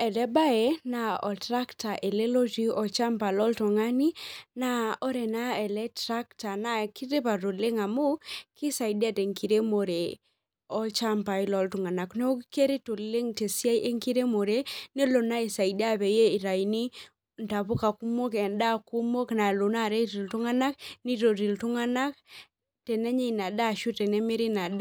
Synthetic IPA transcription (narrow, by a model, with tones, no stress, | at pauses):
ɛ˨lɛ˦ba˦e˨na˨ɔ˨tɾa˦kta˨ʔe˨le˦lo˦d͡ʒi˦ɔ˨t͡ʃa˦mpa˨lɔ˦lto˨ŋa˦ni˦na˦ɔ˦ɾɛ˨na˦ɛ˨lɛ˦tɾa˦kta˨na˨ki˦ɾe˦pa˨to˨le˦ŋa˨mo˦ki˦sa˨i˨da˦te˨ŋki˨ɾe˦mo˨ɾe˨ | ɔ˦t͡ʃa˦mpa˨ɪ˦lɔ˨˦ltʊ˨ŋa˨na˨kno˦ke˦ɾe˦to˨le˦ŋte˨sja˦jʔe˦ŋki˦ɾe˦mo˨ɾe˦ne˦lo˨na˦i˨sa˨i˨da˦˨βɛ˨je˦i˨ɾa˨i˨ni˦ | nta˨βʊ˦ka˨ku˦mo˦kɛ˨nda˦ku˦mo˦kna˨lo˨na˦˨ɾe˦ɾi˨ltu˦ŋa˦na˦kni˦to˨ɾi˨ltu˦ŋa˦na˦k̚ | tɛ˨nɛ˦ɲe˦˨na˨da˦˨ʃu˦tɛ˨nɛ˦me˦ɾi˦na˨d